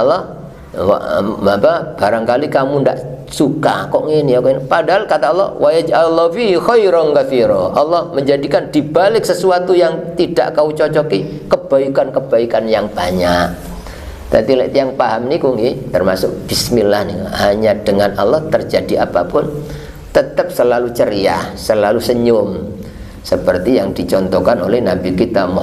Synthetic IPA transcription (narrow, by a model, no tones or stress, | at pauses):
ɔlːɔh | wa̰apab̥aɾaŋkalikamunda̰ʔsuka̰kɔʔŋiniɔkɔnipadaɦalkat̪aɔlːɔ̰hwʔajad͡ʒalːɔfixɔjɾɔnkafiɾɔʔa̰lːɔhməɲd͡ʒadikandibalɪk̚səsuat̪ujaŋt̪ida̰ʔkaut͡ʃɔt͡ʃɔki | kəb̥aikankəb̥aikanjaŋb̥aɲaʔ | t̪at̪ilɛʔt̪iaŋpaɦamnikuŋɡit̪ərmasʊk̚b̥ismilahniŋa̰haɲad̥əŋanʔalːɔht̪ərd͡ʒadiapa̰pʊn | t̪ət̪əp̚səlalut͡ʃəɾia̰səlalusəɲʊm | səpərt̪ijaŋd̥it͡ʃɔnt̪ɔkanolɛhnabikit̪amɔ